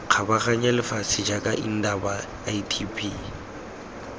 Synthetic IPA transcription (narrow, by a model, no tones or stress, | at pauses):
q͡χʰabaχaɲalɪfasɪd͡ʒakʼaʔin̩daba | itʰipʰi